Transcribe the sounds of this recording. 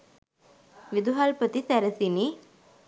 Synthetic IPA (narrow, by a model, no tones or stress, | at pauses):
ʋid̪uɦalpət̪isæɾəsini